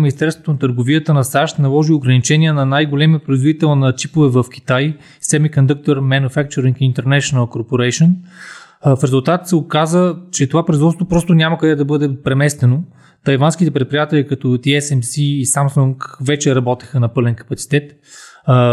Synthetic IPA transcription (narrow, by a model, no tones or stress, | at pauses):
minʲist̪ɛɾst̪vo̥t̪onɐt̪əɾɡoviət̪ənɐsaʃt̪nɐlˠɔʒioɡɾɐnit͡ʃɛnʲiɛnɐnajɡolɛmijəpɾoizvod̪it̪ɛlˠnɐt͡ʃipovɛvəfk̟ʲi̥t̪aj | sɛd̪mikond̪uk̚t̪oɾmɛnufak̚t͡ʃoɾiŋkint̪ɛɾnɛʃonəlˠkoɾpoɾɛjʃon | fɾɛzulˠt̪at̪sɛokazət͡ʃɛt̪ovapɾoizvɔt̪t̪vopɾɔst̪onʲaməkɐd̪ɛd̪ɐbɤd̪ɛpɾɛmɛst̪ɛno | t̪ɐjvanskit̪ɛpɾɛt̪̚pɾijat̪ɛlʲikɐt̪ɔt̪iɛsɛmsiːsamsuŋkvɛt͡ʃɛɾɐbɔt̪i̥xənɐpɤlɛnkɐ̥pɐt̪si̥t̪ɛt̪